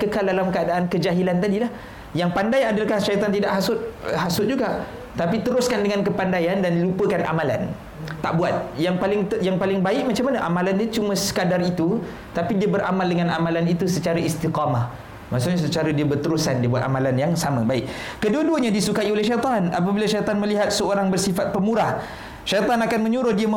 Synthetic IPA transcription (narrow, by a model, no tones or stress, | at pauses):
kəkaldalamkəadaʔankəd͡ʒaɦilant̪adilah | jaŋpandajadalkahʃajt̪ɔnt̪idaʔɦasʊt̪̚ɦasʊt̪̚d͡ʒuɡaʔ | t̪apit̪əɾʊskandəŋankəpandajandanlupəkanʔa̰mala̰n | t̪ːaʔbuat̪̚jaŋpalɪŋt̪jaŋpalɪŋbaɪk̚mat͡ʃamːanəʔamãlandiət͡ʃumə̃sə̥kadarit̪u | t̪apidiəbəɾʔa̰maldəŋanamalanit̪usət͡ʃaɾaʔist̪iqɑmah | masuɲasət͡ʃaɾadiəbərt̪əɾusandiəbuat̪a̰malanjaŋsaməbaɪkkəduəduəɲãdisukaiolɛhʃajt̪ˤɑna̰p̬əbilaʃajt̪ɑnməliɦat̪̚səoɾaŋbərsifat̪̚pəmuɾah | ʃajt̪ˤɑnakanmə̃ɲuɾʊhdiam